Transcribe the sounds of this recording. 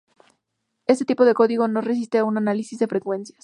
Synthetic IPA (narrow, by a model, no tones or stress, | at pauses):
e̞set̪ipo̞ðe̞ko̞ðiɣo̞no̞re̞s̬ist̪eaunanalisizðe̞fɾe̞kwe̞nsjas